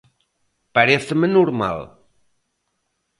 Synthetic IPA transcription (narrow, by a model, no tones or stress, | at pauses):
paɾeθəmənuɾma̰l